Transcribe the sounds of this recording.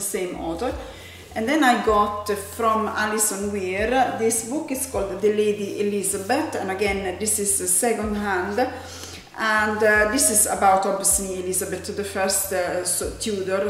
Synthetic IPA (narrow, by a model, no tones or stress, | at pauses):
əsẽɪ̃mɔ̰θəɾ | ʔə̃nd̪ɛ̃naɪɡɑt̪fɾɔ̃malɪsɔ̃nwiɾðɪsbʊkɪskʰɔlˠd̪ðəleɪd̪iʔɪlɪzabət̪ə̰̃nəɡɛ̃nd̪ɪsɪzəsɛkɔ̃nd̪ɦæ̃nd̪ | ʔə̃ndd̪ɪsɪzəbaʊt̪ɔvəsliɪlɪzabət̪ʰːɨðəfɜ˞stst̪ʰjudəɾ